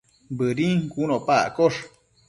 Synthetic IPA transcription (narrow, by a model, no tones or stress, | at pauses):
bɨɾiŋkunõpakoʂ